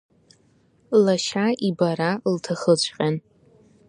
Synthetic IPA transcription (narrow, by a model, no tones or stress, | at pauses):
laʃaʔibaɾaltʰaχət͡ɕʷʼqʲʼan